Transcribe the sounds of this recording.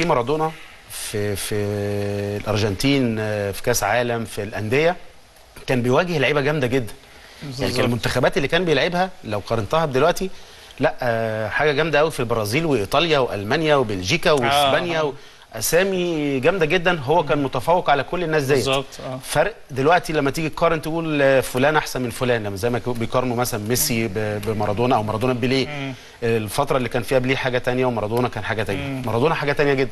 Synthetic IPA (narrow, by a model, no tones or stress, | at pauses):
fiːmɑɾˤɑd̪ˤoːnɑ | fifi | lʔɑɾˤʒɑnt̪iːnfi̥kæːsʕaːlæmfilʔænd̪ejæ | kæːnbejwæːɡehelʕeːbæɡæmd̪æɡed̪ːæn | jʕnikælmont̪æxæbæːt̪elːiːkæːnbejelʕebhælæwqɑɾˤɑnt̪ɑhɑd̪elwæʔt̪i | læʔħaːɡæɡæmd̪æʔæwifilbɑɾˤɑːziːlweʔit̪ˤɑljɑweʔæ̰lmænjæwebelʒiːkæweesbænjæwe | ʔæsæːmiɡæmd̪æɡed̪ːænɦowːækæːnmot̪æfæːwːeqʕalækolːenːæːs̬zæjezb̪fæɾʔd̪elwæʔt̪ilæmːæt̪iːɡikːɑːɾˤʔent̪eʔuːlfolæːnʔaħsænmenfolæːnlæmːæzæjmæbejkɑɾˤnumæsælænmesibbemɑɾˤɑd̪ˤoːnɑʔæwmɑɾˤɑd̪oːnæbeleː | ʔelfɑt̪ɾˤɑlːiːkæːnfiːhæbeleːħaːɡæt̪ænjæwemɑɾˤɑd̪oːnɑkæːnħaːɡæt̪ænjæmɑɾˤɑd̪ˤoːnɑħaːɡæt̪ænjæɡed̪ːæn